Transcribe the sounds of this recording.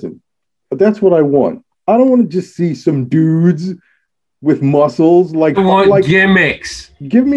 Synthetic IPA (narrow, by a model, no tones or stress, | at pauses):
zɨ̰̃n | b̥ʌt̪̚ðætswʌɾaɪwɑ̰̃nt̚ | aɪɾõʊ̃ntwɑ̃nɨd͡ʒʌstsisʌ̃mdʉdz | wɨðmʌsl̩ˠzlaɪkwʌ̃laɪɡɪmɪksɡ̥ɪvmi